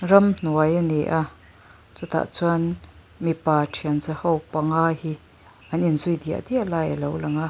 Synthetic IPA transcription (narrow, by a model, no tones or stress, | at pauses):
rɐmn̥uɐjaneʔaʔ | t͡sut̪a̰ʔt͡suan | mipaːtʰiənzəhowpaŋaːhi | ʔɐninzujd̪ia̰ʔd̪iaʔlaːjəlowlɐŋaʔ